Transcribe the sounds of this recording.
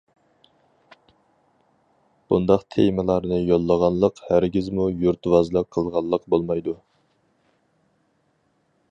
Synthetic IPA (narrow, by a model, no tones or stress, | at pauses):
b̥und̪ɑqt̪ʰemɨlˠɑɾnɨjolˠːəʁɑnlˠəqhæɾɡʲizmujuɾt̪ʰwɑzlˠəqʰːəlˠʁɑlˠːəqbolˠmɑjd̪u